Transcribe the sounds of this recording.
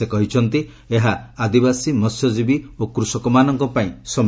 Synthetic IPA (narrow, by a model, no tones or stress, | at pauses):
ekɔɦit͡ʃʰɔnt̪i | eɦaːd̪ibasimɔsjɔd͡ʒibiokɾusɔkɔmanɔŋkɔpaĩsɔm